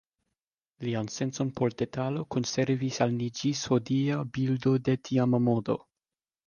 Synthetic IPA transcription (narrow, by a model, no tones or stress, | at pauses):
lianse̞nt͡so̞npʰo̞ɾde̞talo̞ko̞nse̞ɾvisalnid͡ʒishodiabildo̞de̞tʰiamamodo̞̰